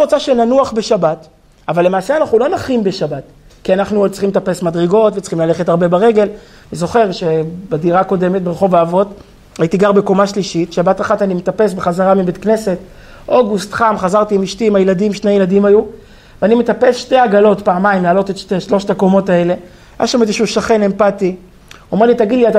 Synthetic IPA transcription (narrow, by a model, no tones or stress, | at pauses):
iʁot͡saʃenanuaχbe̞ʃabat | avalːemaːse̞anaχnulo̞naχimbeʃabat | kianaχnut͡sχimet̪apesmadʁeɡo̞tvet͡sχimlale̞χetaʁbe̞baʁe̞ɡel | nizo̞χe̞ʁʃe̞badiʁako̞de̞met̚beʁeχovaːvo̞t | ajit̪iɡaʁbekomaʃliʃitʃabataχatanimet̪ape̞s̬beχazaʁamibet̪kne̞se̞t | ʔo̞ɡust̪χamχazaʁt̪iːmiʃtiːmajeladimʃne̞jeladimaju | veanimet̪ape̞sʃte̞jaɡalo̞tpaːmaimlaːlo̞t̪etʃteʃlo̞ʃtakomo̞tae̞le̞ | ja̰ʃamezeʃuʃaχe̞ne̞mpati | ome̞ʁlitaɡid̪liat